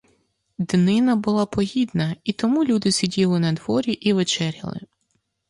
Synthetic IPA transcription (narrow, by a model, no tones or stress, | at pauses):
d̪nɪnɐbʊlˠapɔɦʲid̪nɐit̪ɔmulʲud̪ɪsʲidʲilˠɪnɐd̪ʋɔɾʲiʔiʋet͡ʃɛɾʲɐ̰lˠɪ̰